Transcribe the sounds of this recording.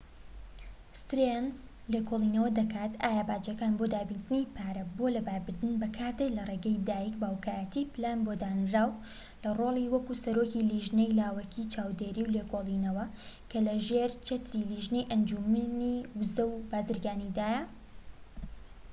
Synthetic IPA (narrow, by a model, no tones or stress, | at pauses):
st̪ɾenz | lekʰolˠiːnɐwɐd̪ɐkʰaːt̪aːjabaːd͡ʒɐkaːnbod̪aːbint̪ɨnipʰaːɾɐbo̞lɐbaːɾbɨɾd̪ɨnbɐkʰaːt̪eklɐreɡɐjd̪aːjikbaːwkaːjɐt̪iplaːnbod̪aːnɾaːw | lɐroːlˠiwɐkusɐɾokiliʒnejlaːwɐkʰit͡ʃʰaːwd̪eɾiwlekʰoːliːnɐwɐ | kʰɐlɐʒeɾt͡ʃet̪ɾiliʒnejʔɐnd͡ʒumniwʊzɐwbaːzɨɾɡaːnid̪aːjɐ